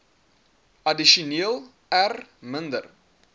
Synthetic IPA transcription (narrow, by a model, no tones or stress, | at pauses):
ʔɐdiʃuniəlˠ | ærməndər